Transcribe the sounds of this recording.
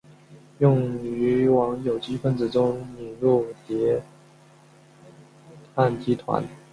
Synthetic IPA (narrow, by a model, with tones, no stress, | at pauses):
jʊ˥˩ŋy˧˥wɑ˧˥ŋjo˨˩ʊt͡ɕi˥fə˥˩nt͡sɹ̩˨˩ʈ͡ʂʊ˥ŋni˨˩ŋɻu˥˩t̪jɛ˧˥ | a˥˩nt͡ɕi˥t̪ʰwa̰˧˥˦n